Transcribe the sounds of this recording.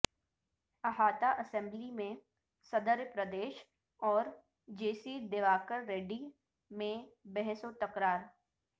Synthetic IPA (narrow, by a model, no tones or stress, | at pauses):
ɐɦaːt̪aʔɐsɛ̃mblimẽ | səd̪əɾjpɾəd̪eːʃ | ɔːɾ | d͡ʒeːsid̪eʋaːkəɾːeːɖi | mẽbɛɦsot̪ɐkɾaːɾ